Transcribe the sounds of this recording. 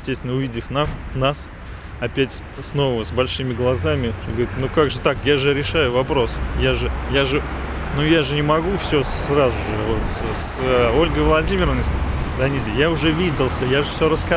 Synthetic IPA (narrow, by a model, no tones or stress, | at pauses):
ɪsʲtʲest̪vʲɪnəʊvʲidʲɪfnafnas | ɐpʲætʲ | sno̞vəvəsbɐlʲʂɨmʲɪɡlˠɐzamʲɪoɡɐɾit̪nukaɡʐɨt̪akjaʐɨɾʲɪʂajʊvɐpɾo̞sjaʐɨjaʐɨ | nujaʐɨnʲɪmɐɡufsʲɵrazʊʐɨvot̪sso̞lʲɡəjvlˠɐdʲimʲɪɾəvənəsʲsd̪ɐnʲizʲjaʊʐɛvʲidʲɪlˠsʲəjaʐɨfsʲoɾəska